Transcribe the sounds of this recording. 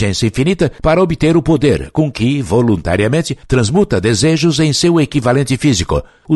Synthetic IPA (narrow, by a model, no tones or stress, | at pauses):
ẽsɐĩfinit̪ɐpaɾɐobɪt̪eɾʊpod̪eɾkõkɪvolũnt̪a̰ɾiɐmẽnt͡ʃɪt̪ɾɐ̃zmut̪ɐd̪ezeʒʊzẽj̃sewekivalẽnt͡ʃɪfizikʊ̰ | ʊ